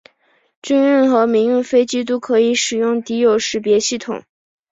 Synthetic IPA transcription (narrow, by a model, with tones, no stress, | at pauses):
t͡ɕy˥ny˥˩nxɤ˧˥mi˧˥ŋjy˥˩nfe˥ɪt͡ɕi˥t̪̬o˥kʰɤ˧˥i˧˥ʂɻ̩˨˩jʊ˥˩ŋt̪i˧˥jo˨˩ʊʂɻ̩˧˥pjɛ˧˥ɕi˥˩t̪ʰʊ̰˨˩˦ŋ